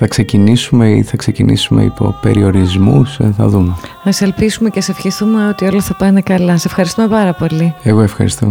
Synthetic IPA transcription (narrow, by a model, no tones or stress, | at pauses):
θɐkse̞cinisumeḭθɐkse̞cinḭsume̞̰ḭpo̞̰pe̞̰ɾio̞ɾizmṵsθɐ̰ðumeθɐselpisume̞cesefçit̪umeo̞t̪io̞lɐθɐpɐnekɐlɐsesefxɐɾist̪uome̞pɐɾɐpo̞lieɣo̞efxɐ̰ɾist̪o̰